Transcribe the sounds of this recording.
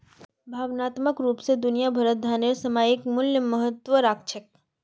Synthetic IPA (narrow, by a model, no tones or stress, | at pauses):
bʱaʋnat̪məkɾupsed̪unijabʱəɾət̪̚d̪ʱanesəmajekmʊlləmːəɦət̪ʋəɾak̚t͡ʃʰe